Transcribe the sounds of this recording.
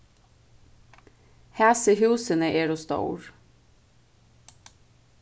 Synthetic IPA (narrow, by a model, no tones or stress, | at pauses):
hæːsəhʉːsənəʔeːɾost̪ɑ̰ʊ̰ɹ